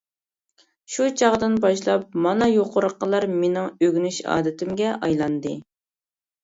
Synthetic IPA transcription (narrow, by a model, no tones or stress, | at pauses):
ʃut͡ʃʰɑʁd̪ɨnbɑʃlˠɑp̚mɑnɑjoqʊɾəqːəlˠɑɾmenɪŋøɡʲynyʃɑ̰ːd̪ɪt̪ʰɪmɡʲɛʔɑjlˠɑnd̪ɨ